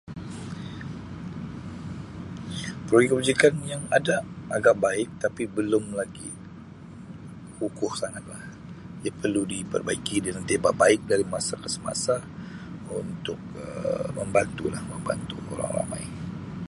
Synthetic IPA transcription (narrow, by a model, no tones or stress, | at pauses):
pɾojikəbud͡ʒikanjaŋadaʔaɡaʔbaɪk̚t̪apibəlʊmlaɡi | hukʊhsaŋat̪̚lah | japərludipə̰rbaikidəlant̪ebaʔbaɪk̚daɾimasakəsəma̰sa | unt̪ʊk̚ə̰məmbant̪ula̰hməmba̰nt̪uʔo̰ɾa̰ŋra̰ma̰j